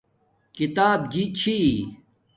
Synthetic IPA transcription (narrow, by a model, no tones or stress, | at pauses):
kit̪aːb̚d͡ʑit͡ɕʰi